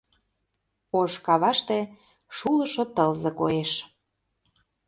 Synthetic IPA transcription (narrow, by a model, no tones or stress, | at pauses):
oʃkɑβɑʃt̪ĕ | ʃulɤ̆ʃot̪əlzɤ̆koeʃ